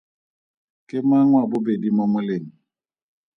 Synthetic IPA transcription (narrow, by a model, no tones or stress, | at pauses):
kemaŋwabobedimɔməleni